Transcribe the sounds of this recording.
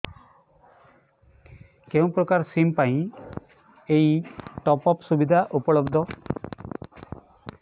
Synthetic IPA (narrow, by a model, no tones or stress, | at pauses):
kew̃pɾɔkaɾsimpaĩ | ejʈɔpɔpsubid̪ʱaʔupɔɭɔbd̪ʱɔ